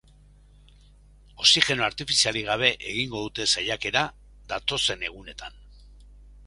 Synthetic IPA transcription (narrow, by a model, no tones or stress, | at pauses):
o̞sixe̞no̞aɾt̪ifisialiɣ̞aβ̞e̞ʔeɣ̞iŋɡo̞ðut̪e̞sajake̞ɾa | ðat̪o̞se̞ne̞ɣ̞une̞t̪an